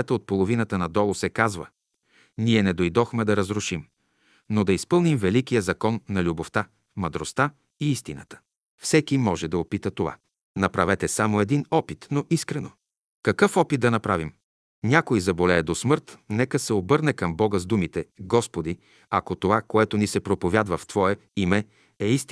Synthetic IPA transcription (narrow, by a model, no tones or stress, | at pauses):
ɛt̪əot̪̚polˠovinət̪ənɐd̪ɔlˠosɛkazvə | niɛnɛd̪ojd̪ɔxmɛd̪ɐɾɐzɾʊʃim | nod̪ɐispɤlˠnimvɛlikijəzɐkɔnːɐlʲuboft̪a | mɐd̪ɾost̪a | iist̪inə̰t̪ə̥ | fsɛkimɔʒɛd̪ɐopit̪ət̪ova̰ | nɐpɾɐvɛt̪ɛsamoɛd̪inɔpit̪noʔiskɾɛno | kɐkɤfɔpit̪̚d̪ɐnɐpɾavim | nʲakojzɐbolʲɛːd̪osmɤɾt̪nɛkəsɛobɤɾnɛkɐmbɔɡəzd̪umit̪ɛɡɔspod̪i | ɐkot̪ovakoɛt̪onisɛpɾopovʲjad̪vɐft̪v̥ɔɛimɛ | ɛist̪